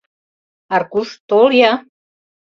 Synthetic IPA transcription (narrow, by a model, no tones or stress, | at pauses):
aɾkuʃt̪olja